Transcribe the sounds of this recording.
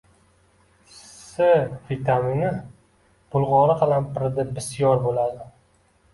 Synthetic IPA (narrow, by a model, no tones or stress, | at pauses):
sɪvit̪ʰaminɪ | b̥ʊlˠʁɒɾɨqʰɨlanpʰɪɾd̪ɪbɪsjɒɾbolad̪ɪ